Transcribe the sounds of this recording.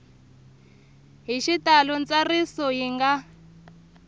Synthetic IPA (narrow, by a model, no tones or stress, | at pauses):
ɦiʃitalɔnt͡sarisɔɦiŋɡa